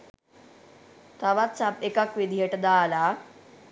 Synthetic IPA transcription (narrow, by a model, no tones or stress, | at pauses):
t̪aʋat̪t͡sapekakʋid̪ʱjeʈd̪ala